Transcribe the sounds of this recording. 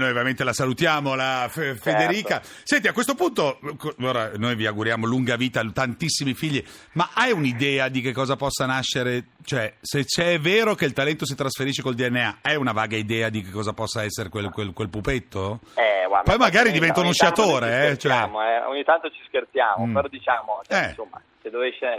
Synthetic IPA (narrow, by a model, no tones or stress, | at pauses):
nojveɾament̪elasalut̪jaːmolafefed̪eɾiːka | sɛnt̪̬iakːwest̪opunt̪okooːɾanojviaɡuɾjaːmoluŋɡaviːt̪at̪ant̪isːimifiʎːimaʔajunid̪ɛːad̪ikekːɔːzapɔsːanaʃːeɾet͡ʃoɛset͡ʃːɛvːeːɾokeilt̪alɛnt̪os̬it̪ɾasfeɾiːʃekold̪iɛnːeaɛunavaːɡaid̪ɛːad̪ikekːɔːzapɔsːaɛsːeɾekwelkwelkwelpupet̪ːoɛɡwa̰pɔjmaɡaːɾid̪ivɛnt̪aunuʃjat̪oːɾeɛt͡ʃoɛmoɛo̰ɲːit̪ant̪ot͡ʃi̥skert̪sjaːmopeɾɔd̪it͡ʃaːmot͡ʃɛɛsomːa̰ | sed̪oveʃːe